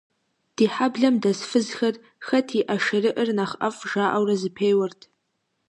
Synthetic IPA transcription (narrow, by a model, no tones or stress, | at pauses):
d̥iħabɮamdazfɨzxarʼ | xɐtʰiʔaʂarɨʔərnaχafʐaʔawrazɨpʰejwartʰʼ